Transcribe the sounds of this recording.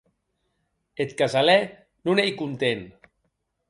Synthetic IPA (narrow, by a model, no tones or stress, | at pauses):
et̪kazalɛ | nunejkunt̪en